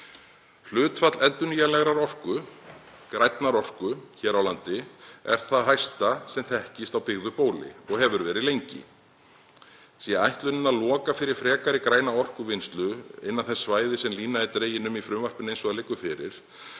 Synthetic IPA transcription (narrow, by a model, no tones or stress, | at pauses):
l̥ʏːt̪fat̪lɛnt̪ʏnʏjalɛɣɾaɾɔr̥kʏ | kɾajt̪naɾɔr̥kʏçɛːɾawlant̪ɪɛ̰ɾ̥θaðɦajst̪asɛmθɛhcɪst̪awpɪɣðʏpoːwlɪ̰ɔɣhɛvʏɾvɛːɾɪðlejɲcɪ̰ | siaajht̪lʏnɪnaðlɔːkafɪɾɪɾ̥fɾɛːkaɾɪkɾaːjnaɔr̥kʏvɪnst̪lʏɪ̰nːanθɛsːvaːjðɪsɛmliːnaðɪt̪ɾeːjɪnʏmifɾʏmvar̥pɪnejnsɔalejkːʏfɪɾɪ̰ɾ̥